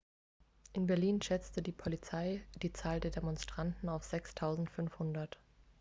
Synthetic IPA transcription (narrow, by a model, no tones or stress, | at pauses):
ʔɪnbɛɐliːnʃɛt͡stədiːpʰɔlit͡saɪd̥iːt͡saːldeːɐdemɔnstʁ̥antn̩aʊfz̥ɛkstʰaʊzn̩tfʏnfhʊndɐt